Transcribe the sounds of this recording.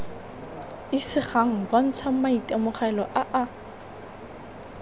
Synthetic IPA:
ɪsɪχaŋ̩ban̩t͡sʰamaitʼamʊχɛlɔʔaʔa

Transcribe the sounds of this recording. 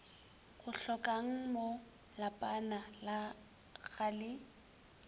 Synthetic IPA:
ɣʊɬɔkʼaŋ̩mo | lapʼanala | ɣalɪ

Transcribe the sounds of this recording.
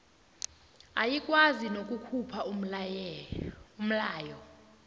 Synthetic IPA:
ajikʼwazinokʼukʰupʰau | um̩laːjɔ

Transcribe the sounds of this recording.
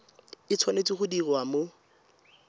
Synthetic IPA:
ɪt͡sʰwanet͡sʼiχʊdirwamo

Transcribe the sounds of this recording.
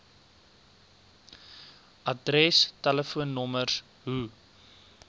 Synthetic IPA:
ʔɐdɾɛstələfuənːɔmərs | ɦu

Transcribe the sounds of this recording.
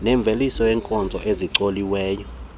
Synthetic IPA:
nɛɱb̪vʱelisɔjɛːŋkʼɔnd͡zʱɔʔeziǀoliwɛːjɔ

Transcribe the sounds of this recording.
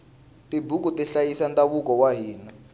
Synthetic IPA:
tibuk̬utɛɬajisantʼaβukɔwaɦiːna

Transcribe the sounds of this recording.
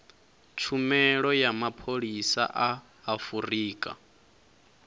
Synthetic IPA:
t͡ʃʰumɛɺɔjamapʰoɺisa̰ʔaː | furiːkʼa̰

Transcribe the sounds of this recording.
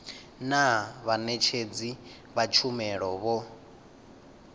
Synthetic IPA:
naβanɛt͡ʃʰed͡zi | βat͡ʃʰumɛɺɔβɔ

